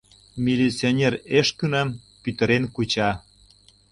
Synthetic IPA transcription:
mʲilit͡sionʲereʃkynɑm | pyt̪ə̆ɾenkut͡ɕɑ

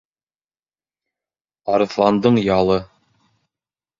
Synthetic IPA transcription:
ɑɾɤ̆θlˠɑnd̪ɤɴjɑlˠɤ

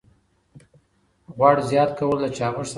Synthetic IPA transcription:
ɣwɑɽzjɑt̪̚kawəld̪at͡ʃɑməʐs

